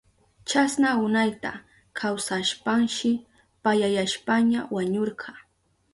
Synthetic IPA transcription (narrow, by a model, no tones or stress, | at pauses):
t͡ʃasnaʊnajt̪a̰ | kʰawsaʃpaŋʃɪ | pajajaʃpaɲawaɲoɾɢʰɑ